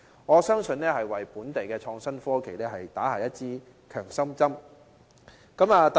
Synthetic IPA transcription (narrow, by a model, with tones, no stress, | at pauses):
ŋɔː˨˧sœː˥ŋsɵ˧nɛː˥hɐ˨jwɐ˨jpuː˨˥nt̪e˨jkɛː˧t͡ʃʰɔː˧ŋsɐ˥nfɔː˥kʰe˨˩jlɛː˥ɦɐ˨jt̪aː˨˥ha̰ː˨˩jɐ˥t̚t͡siː˥ | kʰœː˨˩ŋsɐ˥mt͡sɐ˥m | kɐ˨˥maː˨˧t̪